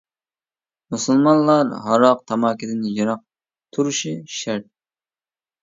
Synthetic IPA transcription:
musɨlˠmɑnlˠɑɾɦɑɾɑq̚t̪ʰɑmɑːkʲʰid̪ɪnjɑɾɑq̚ | t̪ʰuɾuʃiʃæɾt̪̚

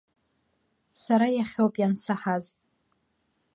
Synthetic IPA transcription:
saɾajaχʲowpʼjansaħaz

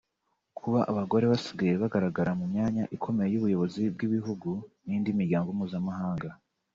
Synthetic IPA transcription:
kʰuβaʔaβaɡo̞ɾe̞βasiɡajeβaɡaɾaɡaɾamumɲaːɲaʔikʰo̞me̞jejuβujo̞βo̞zibɡiβiɦuɡuniːndimiɾɟaːŋɡomuːzamahaːŋɡa

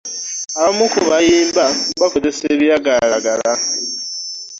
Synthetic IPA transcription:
aβamukuβajiːmbamβakozeseβjaɡalaɡala

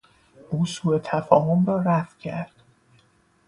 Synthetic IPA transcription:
ʔuːsuːe̞t̪ʰæfɒːho̞mrɒːɾæfcʰæɾd̪̥

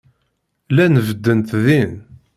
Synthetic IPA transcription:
lænəvəd̪ːənt̪ðin

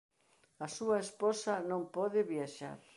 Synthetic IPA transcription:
asuɐespɔsɐnõmpɔðɪβjaʃa̰ɾ

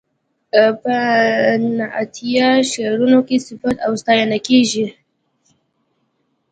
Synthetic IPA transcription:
pə | naʔa̰t̪ʰijaʃeɾunokesɪfat̪awst̪ɑjanakeʒi

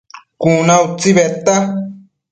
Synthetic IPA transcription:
kunãut͡siβet̪a

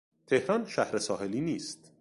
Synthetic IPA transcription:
t̪ʰehɾɒːnʃæhɾe̞sɒːhe̞liːniːst̪

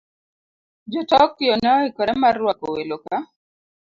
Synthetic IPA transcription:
d͡ʒɔtɔkːɪjɔnaikɔɾɛmarwakoweloka

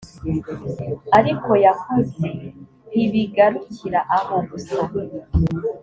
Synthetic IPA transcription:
aɾiko̞jakuze | iβiɡaɾuciɾaʔaβoβusa

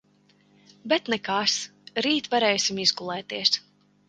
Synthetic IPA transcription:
bɛt̪nɛkasɾiːt̪vaɾɛːjsʲimizɡulˠɛːt̪iɛs

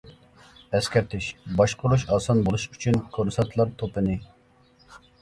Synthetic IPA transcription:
ɛskʲɛɾt̪ʰiʃbɑʃqoɾuʃɑːsɑnbolˠuʃyt͡ʃʰinkʰoɾsɛt̪ʰlˠɑɾt̪ʰopɪni

